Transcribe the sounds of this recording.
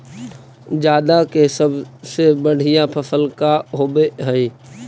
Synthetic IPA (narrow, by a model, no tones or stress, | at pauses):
d͡ʒjaːd̪akesəbsebəɽ̤ijãpʰəfəlkaɦoːbeɦɛiː